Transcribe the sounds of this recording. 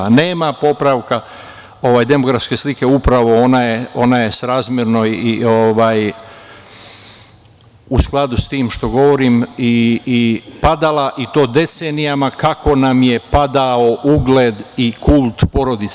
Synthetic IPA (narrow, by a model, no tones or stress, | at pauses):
ne̞ːmapo̞pɾaʋka | o̞ʋaːjd̪e̞mo̞ɡɾafske̞slike̞upɾaʋo̞onaje̞o̞naje̞sɾaːzmjeɾno̞ioʋaːj | usklˠad̪ust̪iːmʃt̪o̞ɡo̞ʋo̞ɾimiː | pad̪alaʔit̪o̞ːd̪e̞t̪se̞nijamakakʰo̞namje̞pad̪ao̞ʔuɡle̞d̪ikulˠt̪po̞ɾo̞d̪it̪